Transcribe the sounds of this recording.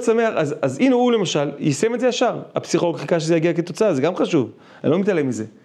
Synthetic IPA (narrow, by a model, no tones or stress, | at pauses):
same̞aχazazinoule̞maʃaljisemetzejaʃaʁapsiχoloɡχikaʃ̬ezejaɡiaket̪o̞t͡saazeɡamχaʃuv | a̰nlo̞mitalemize̞